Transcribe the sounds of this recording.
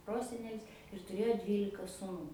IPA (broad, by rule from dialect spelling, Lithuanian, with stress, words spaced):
ˈproːsʲɛnʲɛlʲɪs ɪr tʊˈrʲeːjoː ˈdʲʋʲiːlʲɪkɐ sʊˈnuː